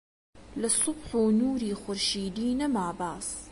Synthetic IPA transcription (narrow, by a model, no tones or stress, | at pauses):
lɐsʊbħuːnuːɾiːxʊɾʃiːd̪iːnɐmaːbaːs